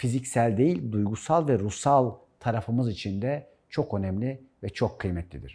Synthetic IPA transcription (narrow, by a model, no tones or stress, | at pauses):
fizicsælʲd̪e̞jilʲd̪ujɡusalˠvɛɾusalˠ | t̪ʰaɾafɯmɯzit͡ʃʰind̪ɛ | t͡ʃʰo̞kø̞nɛmlʲivɛt͡ʃʰo̞kʰːɯjmɛt̪ʰlʲid̪ḭɾ̥